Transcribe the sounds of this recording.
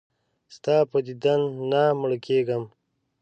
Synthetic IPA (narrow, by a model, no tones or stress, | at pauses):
st̪ɑːpəd̪id̪anːaməɽkeɡəm